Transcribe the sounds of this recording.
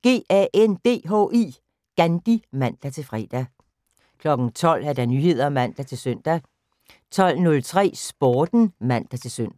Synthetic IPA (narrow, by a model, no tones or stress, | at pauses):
ɡ̥e̝̰ːʔæʔend̥e̝̰ːɦɔ̰ːʔiː | ɡ̥ænd̥imæn̰d̥æt͡sʰe̝lfʁɛ̰ːd̥æ | kʰlɒ̽ɡ̥n̩t͡sʰɒ̽l̰æɐd̥ænyhe̝ð̞̰ˠɐmæn̰d̥æt͡sʰe̝lsøn̰d̥æ | t͡sʰɒ̽l̰nɔ̽lt͡sʰʁɛ̰ːsb̥oːd̥n̩mæn̰d̥æt͡sʰe̝lsøn̰